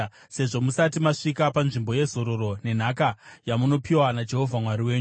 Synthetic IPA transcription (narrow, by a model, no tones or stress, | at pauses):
se̞ʐo̞musatimaʂikapanʐimbo̞je̞zo̞ɾo̞ɾo̞ne̞n̤akajamuno̞piwanad͡ʒe̞ɦo̞vʱamwaɾiwe̞ːɲu